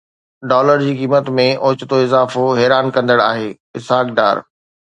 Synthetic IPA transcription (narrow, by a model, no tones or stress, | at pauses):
ɖɔːləɾd͡ʑiːkiːmət̪mẽʔoːt͡ɕɪt̪oɪzaːfoɦɛːɾaːnkɐ̃nd̪əɽaːɦeː | ɪsɦaːk̚ɖa̰ːɾ